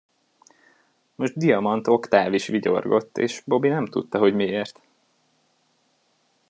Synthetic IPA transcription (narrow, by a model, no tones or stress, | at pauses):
mo̞ʒd̪̚d̪ijɒmɒnt̪o̞kt̪aːviʃʋiɟo̰rɡo̞t̪ːḛːʃbo̞binɛmt̪ṵt̪ːɒɦo̞ɟmieːrt̪